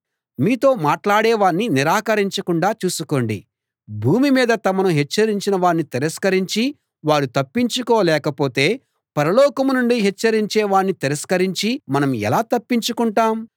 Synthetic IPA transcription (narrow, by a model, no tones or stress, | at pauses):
miːt̪o̞ːmaːʈlaːɽeːʋaːnːiniɾaːkɐɾiɲt͡ʃɐkuɳɖaːt͡ʃuːsuko̞ːɳɖḭ | bʱuːmimiːd̪ɐt̪ɐmɐnuɦɛt͡ʃːɐɾiɲt͡ʃinɐʋaːnːit̪ɛɾɐskɐɾiɲt͡ʃi | ʋaːɽut̪ɐpːiɲt͡ʃukɔːlɛːkɐpo̞ːt̪e̞ː | pɐɾɐlɔːkɐmunuɳɖiɦɛt͡ʃːɐɾiɲt͡ʃeːʋaːɳːit̪ɛɾɐskɐɾiɲt͡ʃimɐnɐmɛ̰laːt̪ɐpːiɲt͡ʃukuɳʈaːm